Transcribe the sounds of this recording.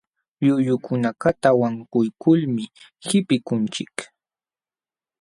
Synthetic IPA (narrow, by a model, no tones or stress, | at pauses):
ʎʊjʊkʰʊnakat̪awaŋkʊjkʊlmɪhɪpɪkʊnt͡ʃɪk